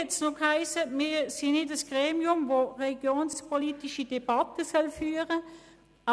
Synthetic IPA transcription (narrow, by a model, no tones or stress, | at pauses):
ɛtsnokhaɪsəmiːsinɪdəsɡ̥ʁeːmiʊmvoʁɛliɡjoːnspʰɔlitiʃid̥ɛb̥ɑtəsœlfyːəʁə | ɑ